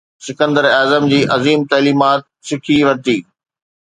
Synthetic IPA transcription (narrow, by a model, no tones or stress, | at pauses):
sɪkə̃nd̪əɾaːzəmd͡ʑiːʔɐziːmt̪ɐːliːmaːt̪̚sɪkʰiʋɐt̪iː